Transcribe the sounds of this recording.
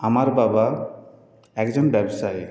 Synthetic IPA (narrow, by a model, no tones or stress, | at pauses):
amaɾbaba | ɛkzɔnbɛbsaj